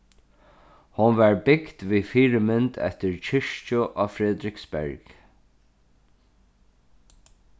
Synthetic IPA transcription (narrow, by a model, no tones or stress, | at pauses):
hʊnvaɹbɪkt̪ʋiːfiːɹɪmɪnt̪ɛ̰ht̪ɪɹt͡ʃʰɪʂt͡ʃʊʔɔːfɾɛðɾɪksbɛ̰ɹk